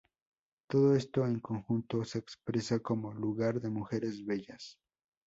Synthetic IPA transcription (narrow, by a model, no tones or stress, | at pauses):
t̪o̞ðoe̞st̪o̞eŋko̞ŋxunt̪o̞se̞ːkspɾe̞sakomo̞luɣaɾðe̞muxe̞ɾe̞zβe̞ʝas